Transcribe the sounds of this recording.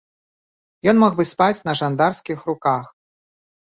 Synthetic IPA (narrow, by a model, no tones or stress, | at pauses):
jɔnmɔɣbɨspat͡sʲnɐʐand̪arskʲixrukax